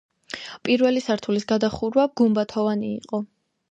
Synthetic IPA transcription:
pʼiɾvɛlisaɾt̪ʰulisɡad̪aχuɾwaɡumbat̪ʰɔvanḭːqʼɔ

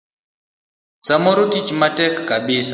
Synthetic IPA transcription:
samɔɾutit͡ʃmatɛkːaɓisa

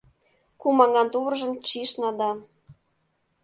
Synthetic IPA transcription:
kumɑŋɑnt̪uβrʒə̆mt͡ɕiʃnɑd̪ɑ

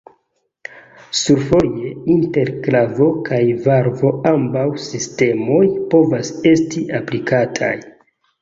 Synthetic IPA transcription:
suɾfo̞je̞inte̞ɾklavo̞kʰajvaɾvo̞ambawsiste̞mo̞jpo̞vase̞stiʔaplikʰatʰa̰j

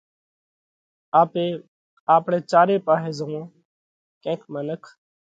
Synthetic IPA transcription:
aːpeː | aːpɽeːt͡ʃaːɾeːpaːɦeːzõː | kẽːkʰmənəkʰ

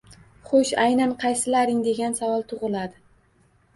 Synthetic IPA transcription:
χoʃajnanqʰɑjsɪlaɾɪŋd̪e̞ɡʲansavɒlˠt̪ʰʊʁɨlad̪ɪ

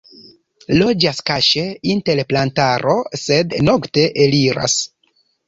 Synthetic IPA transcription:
lo̞d͡ʒaskaʃeinte̞lplantaɾo̞se̞dno̞kte̞ʔeliɾʔa̰s

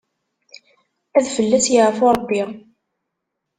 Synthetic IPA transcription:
æðfəlːæsjəʕəfʊɾˤəbːi

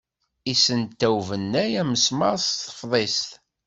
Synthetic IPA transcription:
isənt̪ːæwvənːæjæməsmɑɾst̪ːə̥fðˤest̪

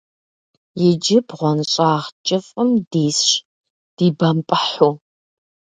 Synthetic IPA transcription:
jɛd͡ʒɪbʁʷɔnɕʼaːʁt͡ʃʼɪfʼəmdiːsʃ | d̥iːbɐmpʼəħu

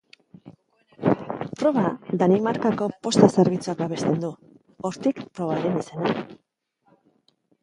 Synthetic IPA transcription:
pɾo̞βaðanimaɾkako̞po̞st̪ase̞ɾβit͡suak̚baβe̞st̪e̞nd̪u | o̞ɾt̪ikpɾo̞βaɾenise̞na

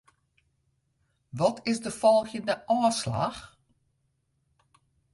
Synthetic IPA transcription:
ʋɔtʰɪsdəfɔlˠxjədəʔɔːsla̰x

